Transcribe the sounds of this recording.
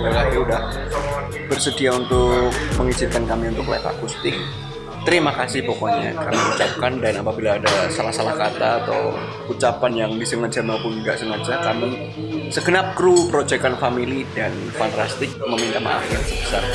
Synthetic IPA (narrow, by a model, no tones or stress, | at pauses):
bakakiudah | b̥ərsədiaunt̪ʊk̚məŋit͡ʃɪkankamiunt̪ʊkla̰fa̰kust̪ɪk̚ | t̪əɾimakasɪhpokoɲa̰ka̰miut͡ʃap̚kandanapabilaːdasalahsalahkat̪a̰ːt̪a̰w | ut͡ʃapanjaŋdisəŋad͡ʒamaupunɡaʔsəŋad͡ʒakami | səɡənap̚kɾupəɾod͡ʒɛkanfamilidan | fant̪ast̪ɪk̚məmint̪ama̰ʔa̰fjaŋsəbəsa̰r